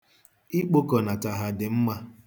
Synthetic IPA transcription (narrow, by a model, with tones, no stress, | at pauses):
i˦k͡po˦kɔ˨na˨ta˨ɦa˨dɪ˨m̩˦ma˦